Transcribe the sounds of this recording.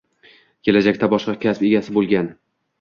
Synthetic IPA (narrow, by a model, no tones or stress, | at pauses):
kʲʰelad͡ʒakʲt̪abɒʃqɑkʲʰaspeɡʲasɪbolˠɡʲan